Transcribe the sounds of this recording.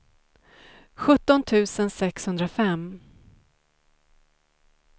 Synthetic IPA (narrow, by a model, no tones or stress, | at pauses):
ɧɵt̪ːɔnt̪ʰʉ̟ːsənsɛkshɵnd̪ɾafɛm